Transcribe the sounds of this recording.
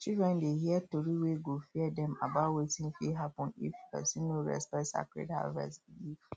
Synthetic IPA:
t͡ʃildɹɛ̃ndeɦiɛtoɾiweɡofiɛdɛ̃ma̰bawetĩŋfiɦapɔ̃nḭfpɛ̰sĩnːoɹɛ̰spɛsa̰kɾḛdha̰lvɛ̰sbilif

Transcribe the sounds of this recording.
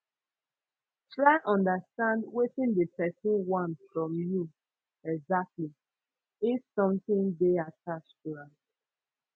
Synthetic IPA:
tʰɹaɪʔɔ̃ndəstãndwetĩndəpɛsĩnwãnfɹɔ̃mju | ɛɡzak̚tli | ifsɔ̃mθĩndeatʰat͡ʃtuɹã

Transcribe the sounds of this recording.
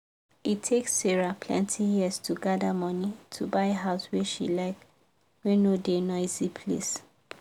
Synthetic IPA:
itʰeksːeɹapʰlɛ̰̃ntʰijiəstʰuɡadamɔnitʰubaɪɦaʊsweʃḭlaɪk | wẽnodenɔɪzipʰlḛs

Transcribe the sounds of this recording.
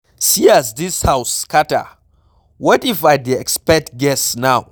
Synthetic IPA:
siazdishawskʰatə̰ | wɔtifajdiɛkspɛk̚t̚ɡɛsnaw

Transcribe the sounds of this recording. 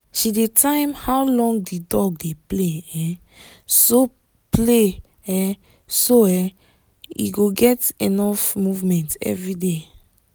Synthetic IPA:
ʃidetʰãɪmhawlɔ̃ŋɡdidɔɡ̚depleɛ̃ | so | ple | ɛ | soɛ | ḭɡoɡɛtenɔfmuvmɛ̃ntɛ̰vɹide

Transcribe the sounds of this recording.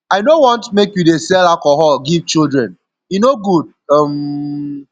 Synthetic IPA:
aɪnowɔ̃ntmekjudesɛlalkɔɦɔlɡiv̥t͡ʃildɹɛ̃n | junoɡud̚ʌm

